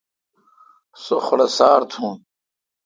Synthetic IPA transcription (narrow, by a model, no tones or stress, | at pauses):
soχɽesaːɾt̪ʰũːn